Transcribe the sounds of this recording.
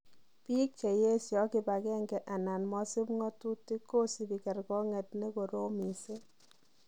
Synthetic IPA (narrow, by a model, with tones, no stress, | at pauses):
pi˦k̚t͡ʃe˨je˦sjɔ˨˦ki˦ba˨kɛ˦ŋɡɛ˨ʔa˨na˨nmɔ˦si˦pŋɔ˦tu˦ti˦ko˦si˨bi˨kɛ˨rkɔ˦ŋɛ˨tne˦ko˨ɾo˦mi˨se˦